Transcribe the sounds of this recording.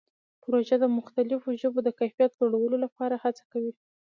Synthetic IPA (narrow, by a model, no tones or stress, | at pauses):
pɾoʒad̪əmʊxt̪alɪfoʒəbod̪əkajfijat̪̚d͡ʒoɽawəlolapɑɾahat͡sḁkawi